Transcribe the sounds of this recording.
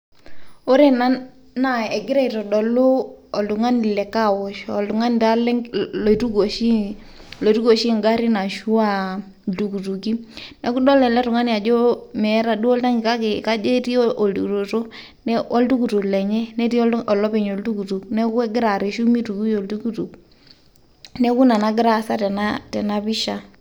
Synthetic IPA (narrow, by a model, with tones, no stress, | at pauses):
o˦ɾe˨na˦ | na˦˨ɛ˨ɡɪ˦ɾa˦i˨tɔ˨dɔ˨lʊ˦ɔ˨ltu˨ŋa˦ni˨lɛ˨ka˦˨wɔ˨ʃɔ˨lu˨ŋa˦n˨ta˦lltu˦ɡo˨ʃi˦ | lo˨tu˦ɡo˨ʃi˦˨ŋɡa˦ɾi˦na˨ʃu˦a˦˨ | ltu˨ku˨tu˨ki˦nɛ˨˦ku˦dɔ˦lɛ˨lɛ˦tʊ˨ŋa˦ni˨a˨d͡ʒo˦mɛ˨˦ɾa˦˨du˦ɔ˦lta˦ŋɡɪ˨ka˦ke˨ka˦d͡ʒe˦ti˦o˦ʔo˨ldu˨to˨to˦ | nɛ˦ɔ˦ltu˦ku˨tu˨lɛ˨ɲɛ˦nɛ˦ti˦ɔ˨lɔ˦pɛ˨ɲo˨ltu˦ku˨tu˨knɛ˦ku˦ɛ˦ɡɪ˦ɾa˨ɾe˨ʃu˦mi˦tu˨ku˦jo˨ltu˦ku˦tu˨k | nɛ˦ku˦na˨na˦ɡɪ˦ɾa˨sa˦tɛ˨na˦tɛ˨na˦bi˦ʃa˨